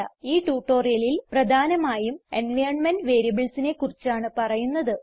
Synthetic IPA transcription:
ɐiːʈuːʈːo̞ːrijɐlilprɐd̪ʱaːnɐmaːjumenʋɐjɳmɐnɖʋe̞ːɾiɐbɐɭsine̞kːurit͡ɕːaːɳɨpɐrɐjunːɐðɨ

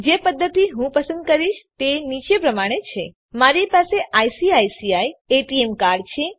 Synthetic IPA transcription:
d͡ʒepəd̪ʱːət̪iɦũpəsə̃nd̪̚kəɾiʃt̪enit͡ʃepɾəmaɽ̃et͡ʃʰe | maɾipaseʔajsiajsiaieʈiemkaɾɖt͡ʃʰe

